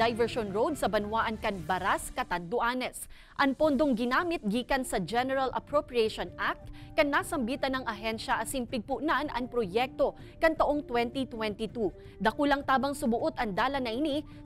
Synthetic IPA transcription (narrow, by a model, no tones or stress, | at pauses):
ajvɛɹʃonɹowd̪̚sɐbɐnwaʔɐŋkɐnbɐɾaskɐt̪ɐnd̪ʊʔaːnɛs | ʔɐŋpo̞nd̪o̞ŋɡɪnaːmɪt̪̚ɡiːkɐnsɐd͡ʒɛnɛɾɐlʔɐ̰pɹopɹiɛʃonʔak̚t̪̚kɐŋnasɐmbiːt̪ɐnɐŋʔɐɦɛnʃɐʔɐsɪnpɪɡ̚pʊʔnanɐŋpɾojɛk̚t̪o̞ | kɐŋt̪ɐʔo̞ŋt̪wɛnt̪it̪wɛnt̪it̪u | d̪ɐkulɐŋt̪aːbɐŋsʊmʊʔot̪ɐŋd̪aːlɐnɐʔɪni